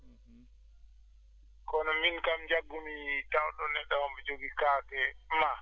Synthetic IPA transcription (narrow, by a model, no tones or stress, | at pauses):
kɔnɔminkamd͡ʒaɡːumitawɗɔnɛɗawɔbɛd͡ʒoɡikaːkɛma